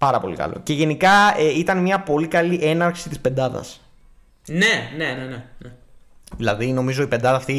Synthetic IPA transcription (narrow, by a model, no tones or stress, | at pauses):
pɐɾɐpo̞̰lḭkɐ̰lo̞̰ce̞ʝe̞nikɐeit̪ɐnmɲɐpo̞likɐliʔe̞nɐɾxsit̪ispe̞nd̪ɐðɐ̰s | nene̞neneneðilɐðino̞mizo̞ipend̪ɐðɐːft̪i